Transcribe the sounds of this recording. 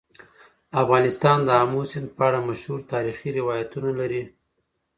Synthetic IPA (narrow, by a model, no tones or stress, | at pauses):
afɣɑnɪst̪ɑnd̪əamosɪnd̪̚pəaɽamaʃhuɾt̪ɑɾixiɾɪwɑjat̪unalaɾi